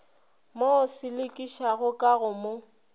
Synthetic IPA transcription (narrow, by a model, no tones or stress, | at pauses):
mosɪlɪkʼiʃaɣʊkʼaɣʊmʊ